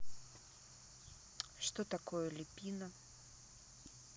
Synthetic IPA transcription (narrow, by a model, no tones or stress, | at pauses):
ʂt̪ɔt̪akɔjəlʲɪpʲinɐ